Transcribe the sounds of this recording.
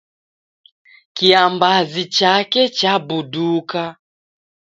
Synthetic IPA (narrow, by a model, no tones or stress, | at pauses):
kiambazit͡ʃakɛt͡ʃabuduka